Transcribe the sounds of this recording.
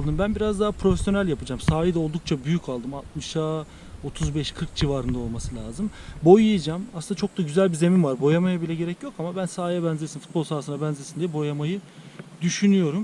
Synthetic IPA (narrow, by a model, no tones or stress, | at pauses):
lˠd̪ɯmbænbiɾazd̪aɦapɾo̞fesjo̞nælʲjapɯd͡ʒaːmsaːjid̪ɛo̞lˠd̪uk̚t͡ʃʰabyjycʰalˠd̪ɯmat̪̚mɯʃa | o̞t̪ʰuzbɛʃkʰɯɾk̚d͡ʒivaɾɯnd̪ao̞lˠmasɯlʲaːzɯmbo̞jijɯd͡ʒaːmasɯnd̪at͡ʃʰo̞k̚d̪aɟyzælʲbize̞mimvaɾbo̞jamajabilʲɛɟe̞ɾɛcjo̞kamabænsaːjɛbænzesinfu̥t̪̚bolˠsaːsɯnabænzesind̪ijɛbo̞jamajɯ | d̪yʃynyjo̞ɾum